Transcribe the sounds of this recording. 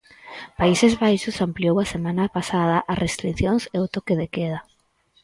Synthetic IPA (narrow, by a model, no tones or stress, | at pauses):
paisezβajʃʊsampliowasemãnapasað̞ɐʔasrʔest̪ɾiθjoŋseʊt̪okeðekeðɐ